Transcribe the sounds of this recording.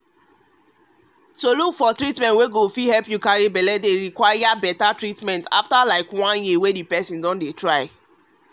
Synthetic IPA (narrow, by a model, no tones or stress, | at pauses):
tolukfɔtɹitmɛ̃ntweɡofihɛlpjukaɹibɛlɛdeɹikwajabɛtatɹitmɛ̃nta̰ftalaɪkwãnjiwedipɛsĩndɔ̃ndetɹaɪ